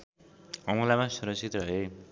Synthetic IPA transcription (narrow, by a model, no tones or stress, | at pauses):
ʌmulamasuɾʌsit̪ɾʌɦe